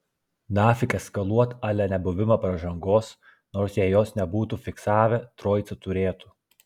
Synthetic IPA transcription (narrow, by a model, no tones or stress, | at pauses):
nɑːfʲɪkʲɐskɐlˠuɔt̪ɑːlʲɛnʲɛbʊʋʲɪmɐpɾɐʒɐŋɡoːs | noːɾsjɛjoːsnʲɛbuːt̪ufʲɪksɑːʋʲɛt̪ɾoːjt̪sɐt̪ʊɾʲeːt̪uː